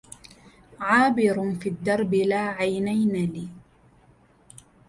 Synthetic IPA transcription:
ʕaːbɪɾfiːd̪ːɑɾˤbɪlaːʕajnajnaliː

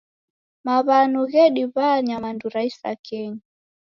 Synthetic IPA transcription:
maβanuɣɛɗiβaɲamanduɾaisa̰kʰɛɲa

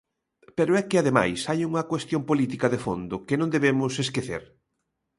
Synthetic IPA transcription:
peɾʊɛkɪaðema̰jsajuŋɐkwest̪jõmpolit̪ikɐðefond̪ʊkenõnd̪eβemʊseskeθḛɾ

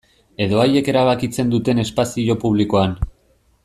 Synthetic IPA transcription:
e̞ðo̞aje̞ke̞ɾaβ̞akit͡se̞nd̪ut̪e̞ne̞spasio̞puβ̞liko̞an

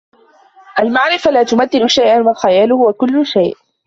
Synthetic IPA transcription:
ʔalmaʕɾɪflaːt̪ʊmaθːɪnʊʃajʔanwalxajaːlʊhʊwakʊlːʊʃajʔ

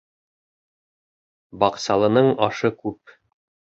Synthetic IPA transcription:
bɒqsɑlˠɤ̆nɤɴɒʃɤkʉp̚

